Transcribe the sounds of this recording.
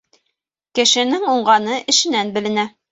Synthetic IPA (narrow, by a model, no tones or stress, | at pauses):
kɘ̆ʃɘ̆nɘŋuɴɢɑnɤʔɘ̆ʃɘ̆nænbɘ̆lɘ̆næ